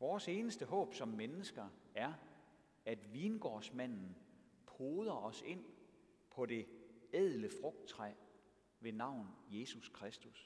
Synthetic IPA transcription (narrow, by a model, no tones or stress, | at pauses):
ʋɒːse̝ːnəsd̥əɦɔ̰̽ːb̥sɒ̽mːenəsɡ̥ɐæɐ | æd̥ʋiːnɡ̥ɒ̰ːsmæn̰n̩ | pʰoːð̞ˠɐɒ̽se̝n̰ | pʰɒ̽d̥e̝ɛð̰ˠləfʁɔ̽ɡ̥̚d̥̚t͡sʰʁa | ʋe̝nɑ̈ʊ̰n̩je̝suskʰʁasd̥us